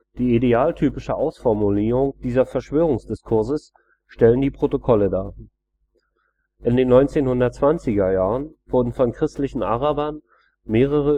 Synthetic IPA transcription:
d̥iːideaːltʰyːpɪʃəʔaʊsfɔɐmuliːʁʊŋd̥iːzɐfɛɐʃv̥øːʁʊŋsd̥ɪskʰʊɐzəs | ʃtɛləndiːpʁ̥otokʰɔlədaː | ʔɪndeːnːɔʏnt͡seːnhʊndɐtt͡sv̥ant͡sɪɡɐjaːʁənv̥ʊɐdn̩fɔnkʁ̥ɪstlɪçn̩ʔaʁabɐn | meːʁ̞əʁ̞ə

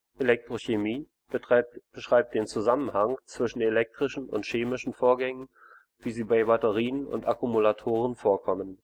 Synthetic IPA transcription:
ʔelɛk̚tʁ̥oçemiː | b̥əʃʁ̥aɪp̚t̚d̥eːnt͡suzamənhaŋt͡sv̥ɪʃn̩elɛk̚tʁ̥ɪʃn̩ʊ̰ntʃeːmɪʃn̩foːɐɡɛŋən | v̥iːziːbaɪbatəʁiːənʊ̰ntakumulatʰoːʁ̞ənfoːɐkʰɔmən

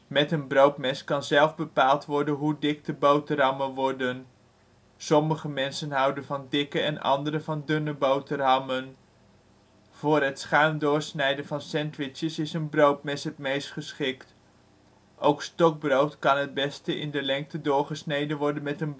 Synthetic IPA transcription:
mɛtənbrowtmɛskɑnzɛlˠvbəpaːlˠtʋɔɹdənɦudɪk̚təbowtərɑmənʋɔɹdən | sɔməχəmɛnsənɦɑwdənvɑndɪkəɛnɑ̰ndəɾəvɑndʏnəbowtərɑmən | v̥ʊːrɦətsχaɥmdʊːɹsnɛjdənvɑnsɛntʋɪt͡ʃəsɪsənbrowtmɛsɦətmejstχəsχɪkt | ʔowkstɔɡ̚browtkɑnɦəd̚bɛstəʔɪ̰ndəlɛŋk̚tədʊːɹχəsnejdənʋɔɹdənmɛtən

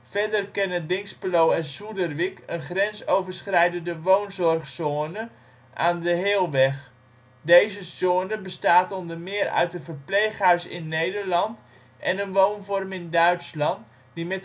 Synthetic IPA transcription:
fɛdərkɛnədɪŋspəlowɛnsudərʋikənχrɛnsowvərsχrɛjdəndəʋoːnzɔrχsoːnə | ʔaːndəɦeːlˠʋɛx | dejzəsoːnəbəstaːtɔndərmɪərœ̰ɥt̚dəvərpleːχœrsɪ̰nːejdərlɑnt | ʔɛnənʋownfɔrmɪndœɥtslɑnt | dimɛt

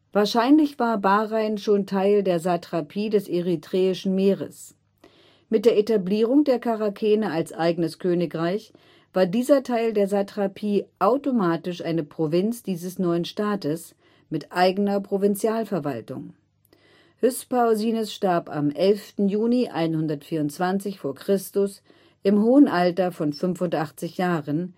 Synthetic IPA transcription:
v̥aːɐʃaɪnlɪçv̥aːɐbaːʁaɪnʃoːntʰaɪldeːɐzatʁ̥apʰiːdɛsʔeʁitʁ̥ɛːɪʃn̩meːʁə̰s | mɪt̚d̥eːɐʔetabliːʁ̞ʊŋdeːɐkʰaʁakʰɛːnəalsʔaɪɡənəskʰøːnɪkʁaɪç | v̥aːɐdiːzɐtʰaɪldeːɐzatʁ̥apʰiːʔaʊtomaːtɪʃʔaɪnəpʁ̥ovɪnt͡sd̥iːzəsnɔʏənʃtaːtəs | mɪtʔaɪɡənɐpʁ̥ovɪnt͡sjaːlfɛɐva̰ltʊ̰ŋ | hʏspaʊziːnʊsʃtaɐpa̰mʔɛlftn̩juːniʔa̰ɪnhʊndɐtfiːɐʊntt͡sv̥ant͡sɪçfoːɐkʁ̥ɪstʊs | ʔɪmɦoːənʔaltɐfɔnfʏnfʊntʔaχt͡sɪçjaːʁən

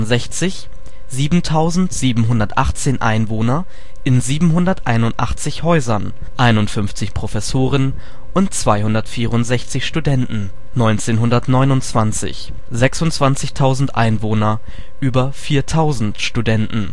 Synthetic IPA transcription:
nzɛçt͡sɪç | ziːbm̩tʰaʊzn̩tz̥iːbm̩ɦʊndɐtʔa̰χt͡seːnʔa̰ɪnvoːnɐ | ʔɪnziːbm̩ɦʊndɐtʔaɪnʊntʔa̰χt͡sɪçhɔʏzɐn | ʔaɪnʊntfʏnft͡sɪçpʁ̥ofɛsoːʁən | ʔʊntt͡sv̥aɪhʊndɐtfiːʁʊntz̥ɛçt͡sɪçʃtudɛntn̩ | nɔʏnt͡seːnɦʊndɐtnɔʏnʊnt͡sv̥ant͡sɪ̰ç | zɛksʊntt͡sv̥ant͡sɪçtʰaʊzn̩tʔa̰ɪnvoːnɐ | ʔyːbɐfiːɐtʰaʊzn̩tʃtudɛntn̩

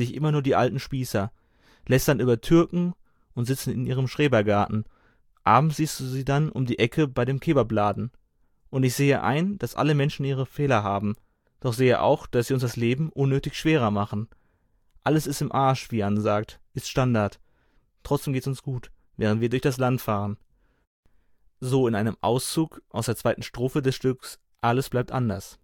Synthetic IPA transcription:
z̥ɪçʔɪmɐnuːɐdiːʔaltn̩ʃpiːsɐ | lɛstd̥anʔyːbɐtʰʏɐkŋ̩ | ʔʊntz̥ɪt͡sn̩ɪnʔiːʁ̞əmʃʁ̥eːbɐɡaɐʔn̩ | ʔaːbm̩sz̥iːstd̥uːziːdanʔʊ̰mdiːʔɛkʰəbaɪɾeːmkʰeːbɐblaːdn̩ | ʔʊntɪçz̥eːəʔa̰ɪnd̥asʔa̰ləmɛnʃn̩ʔiːʁ̞əfeːlɐɦaːbm̩ | d̥ɔχz̥eːə̰ʔa̰ʊxd̥asziːʊnsd̥asleːbm̩ʔʊnːøːtɪçʃv̥eːʁ̞ɐmaχn̩ | ʔaləsɪstɪmʔaɐʃv̥iːʔanzaːk̚tʔɪstʃtandaɐt | tʁ̥ɔt͡sd̥eːmɡeːtsʊnsɡ̥uːt | v̥ɛːʁəntv̥iːɐdʊɐçd̥aslantfaːʁ̞ən | zoːɪnʔaɪnəmʔa̰ʊst͡suːkʔaʊsd̥eːɐt͡sv̥aɪtn̩ʃtʁ̥oːfədɛsʃtʏks | ʔaləsb̥laɪp̚tʔandɐs

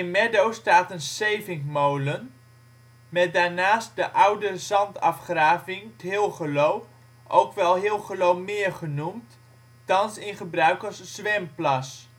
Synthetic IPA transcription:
ɪnmɛdowstaːtənsejvɪŋmowlən | mɛt̚daːɹnaːst̚dəʔawdəzɑntɑfχraːvɪŋtɦɪlˠχəlow | ʔowkʋɛlˠɦɪlˠχəlowmɪːɹχənumt | tɑnsɪnχəbrœɥkəsːʋɛmplɑs

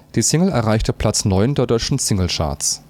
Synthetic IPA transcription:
d̥iːsɪŋl̩ɛɐʁaɪçtəpʰl̥at͡snɔʏndeːɐdɔʏt͡ʃn̩sɪŋl̩ʃa̰ɐs

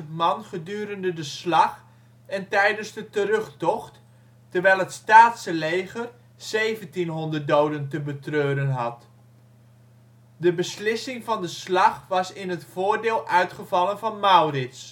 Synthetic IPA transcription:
mɑnχədyːɾəndədəslɑχ | ɛntɛjdənzdətərɵχtɔχt | tərʋɛjlˠətstaːtsəlejχər | sejvəntinɦɔndərt̚dowdəntəbətrøːɾənɦɑt | dəbəslɪsɪŋvɑndəslɑχʋɑsɪnɦətfoːɹdɪːlˠʔœɥtχəvɑlˠənvɑnmawrɪts

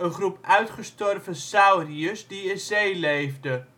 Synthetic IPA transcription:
ənχrupʔœɥtχəstɔrvəsawriəsdiɪnzejlejvdə

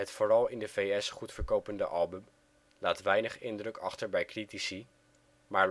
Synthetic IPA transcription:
ɦətfoːrɑlˠɪndəvejɛsχutfəɹkowpəndə̰ʔɑlˠbəm | laːtʋɛjnəχɪndrɵkɑχtəɹbɛjkritisi | maːɹ

